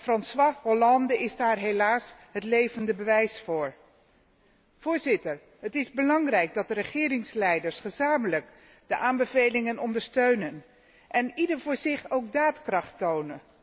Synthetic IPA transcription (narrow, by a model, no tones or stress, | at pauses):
frɑnswaɦolɑndəɪzdaːrɦelaːsɦətlejvəndəbəʋɛjsfʊːɹ | v̥ʊːɹzɪtəɹ | ɦətɪzbəlɑŋrɛjk̚dɑt̚dərəχɪːɾɪŋslɛjdəɹsχəzaːmələk | d̥əʔaːmbəvejlɪŋənɔndəɹstøɥnən | ʔɛnidəɹvʊːɹzɪχowkdaːtkrɑχtownə